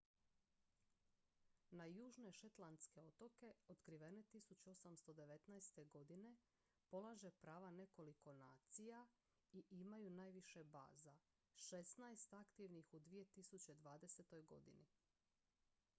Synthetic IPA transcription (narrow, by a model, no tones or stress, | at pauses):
najuːʒne̞ʃet̪lˠant̪ske̞o̞t̪o̞ke̞o̞t̪kɾiʋe̞ne̞t̪isut͡ɕuo̞samst̪o̞d̪e̞ʋe̞t̪najst̪e̞ɡo̞d̪ine̞ | po̞lˠaʒe̞pɾaːʋane̞ko̞liko̞naːt̪sija | iʔimajunaːjʋiʃe̞ba̰ːza | ʃe̞st̪najst̪akt̪iʋnixud̪ʋije̞t̪isut͡ɕed̪ʋaːd̪e̞set̪o̞jɡo̞̰d̪ini